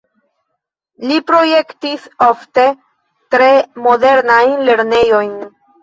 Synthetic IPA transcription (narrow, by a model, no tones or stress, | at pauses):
lipɾo̞je̞ktisofte̞ | tɾe̞mo̞de̞ɾnajnle̞ɾne̞jo̞jn